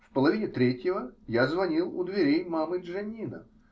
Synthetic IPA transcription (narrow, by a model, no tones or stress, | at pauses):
fpəlˠɐvʲinʲɪt̪ɾʲetʲjɪvəjazvɐnʲilˠʊd̪vʲɪɾʲejmamɨʐɐnʲinə̰